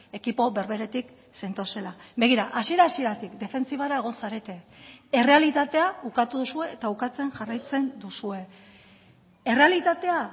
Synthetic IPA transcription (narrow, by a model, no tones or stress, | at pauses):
e̞kipo̞βe̞ɾβe̞ɾe̞t̪ik | se̞nt̪o̞se̞labe̞ɣiɾaʔasieɾaːsie̞ɾat̪ikd̪e̞fe̞nt͡siβaɾae̞ɣ̞o̞nsaɾe̞t̪e̞e̞re̞alit̪at̪e̞aukat̪uðusue̞ːt̪aukat͡se̞nʝarajt͡se̞nd̪usue̞ | e̞re̞alit̪at̪e̞a